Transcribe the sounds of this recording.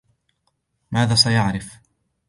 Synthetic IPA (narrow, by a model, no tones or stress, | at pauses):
maːðaːsajaʕɾɪf